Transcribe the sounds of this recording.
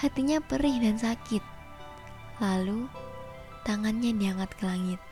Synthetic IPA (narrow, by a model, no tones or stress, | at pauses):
hat̪iɲapəɾɪhdansakɪt̪̚ | lalu | t̪aŋanɲadiaŋat̪̚kəlaŋɪt̪̚